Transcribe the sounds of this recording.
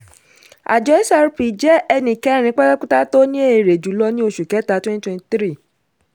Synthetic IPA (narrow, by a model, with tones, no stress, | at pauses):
a̰˨d͡ʒɔ˨˦i˦sa˧ɾu˦pi˨d͡ʒɛ˦ɛ˧nĩ˨kɛ˨˦ɾ̃ĩ˨˧˦k͡pɛ˦ɾɛ˦k͡pũ˦ta˦to˦nĩ˦e˦˨ɾe˨d͡ʒu˨˦lɔ˧nĩ˦o˧ʃu˨kɛ˨˦ta˨˦twɛ̃˦ni˦twɛ̃˦˨tɾi˦˨